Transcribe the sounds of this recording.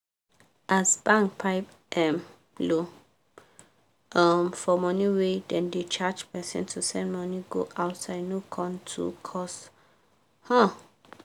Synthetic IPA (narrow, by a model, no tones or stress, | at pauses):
ʔasbãŋkpʰaɪp | ʔɛ̃m | lo | ɔmfɔmɔniwedɛ̃ndet͡ʃad͡ʒpɛsɛ̰̃ntʰusɛ̃nmɔniɡo̰ʔaʊtsaɪdnokʰɔ̃ntʰṵkʰɔs | hã